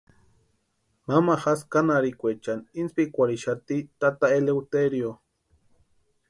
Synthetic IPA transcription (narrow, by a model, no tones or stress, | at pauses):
mamaxaskanaɾikʷet͡ʃaninspikʷaɾiʃat̪it̪at̪aelewt̪eɾjo